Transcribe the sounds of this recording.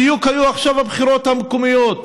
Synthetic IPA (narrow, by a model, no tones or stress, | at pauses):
ijukhajuaχʃavabχiɾot̪hamkumijot̪̚